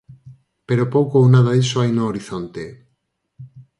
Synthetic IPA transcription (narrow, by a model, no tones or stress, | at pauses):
peɾopowkownaðaðisoajnoːɾiθont̪e